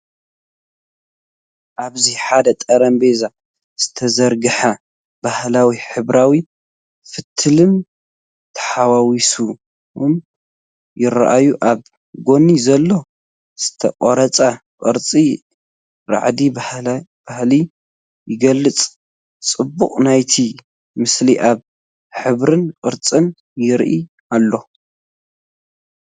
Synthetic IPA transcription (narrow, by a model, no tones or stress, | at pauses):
ʔaβziħad̪ɐt̪ʼɐɾɐmbeza | z̥ɨ̥t̪ʰɐzɐɾɡɨħa | bahlawiħɨβɾawi | fɨt̪ʰːɨlɨn | t̪ʰɐ̥ħawawisu | n | jɪɾa̰ʔajuʔaβ | ɡo̞nizɐlːo̞ | z̥ɨ̥t̪ʰɐ̰qʼoɾɐt͡sʼaqʼɨ̰ɾt͡sʼi | ɾa̰ʕd̪i | b̥ahli | jɪɡɐlːɨt͡sʼ | t͡sʼɨbːuχʼnajt̪ʰi | mɨsliʔaβ | ħɨβɾɨnqʼɨɾt͡sʼɨn | jɪɾʔi | ʔalːo̞